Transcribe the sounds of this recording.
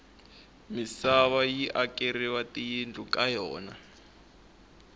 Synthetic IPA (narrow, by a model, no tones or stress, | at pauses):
misaβajiʔakʼeɾiwatijindʱukʼajɔ̰ːna̰